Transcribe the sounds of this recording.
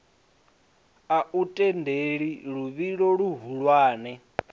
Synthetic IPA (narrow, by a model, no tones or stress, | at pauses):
aʔutʼɛndʱeɺiɺuβiɺɔɺuɦuɺwaːnɛ